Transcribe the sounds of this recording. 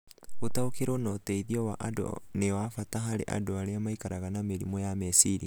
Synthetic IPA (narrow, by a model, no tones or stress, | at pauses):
otaokeɾonɔtɛiðiɔwaʔado̰newafataɦaɾḛʔa̰doaɾeamaikaɾaɣanameɾḭmɔjamɛsiɾi